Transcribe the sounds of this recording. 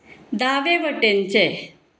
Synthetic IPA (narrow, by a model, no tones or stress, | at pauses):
d̪aʋeʋəʈent͡se